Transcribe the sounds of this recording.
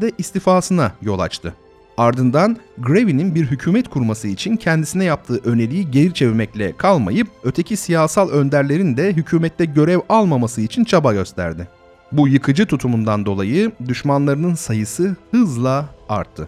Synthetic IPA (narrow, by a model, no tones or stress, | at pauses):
d̪ɛʔist̪ʰifaːsɯnajo̞lˠa̰t͡ʃt̪ʰɯ | aɾd̪ɯnd̪anɡɾevininbiɾɦycʰuːmɛt̪kʰuɾmasɯit͡ʃʰincʰɛnd̪isinɛjap̚t̪ʰɯːʔø̞ne̞lʲijiɟelʲit͡ʃʰe̞vimɛclʲɛ̰kʰalˠma̰jɯp̚ø̞t̪ʰe̞cʰisijaːsalˠø̞nd̪æɾlʲe̞ɾind̪ɛɦycʰyːmɛt̪lʲɛɟø̞ɾɛvalˠmamasɯit͡ʃʰint͡ʃʰabaɟø̞st̪ʰæ̰ɾd̪ɪ | bujɯkʰɯd͡ʒɯt̪ʰut̪ʰumund̪and̪o̞lˠajɯd̪yʃmanlˠaɾɯnɯnsajɯsɯhɯzlˠaa̰ɾt̪ʰːɯ̰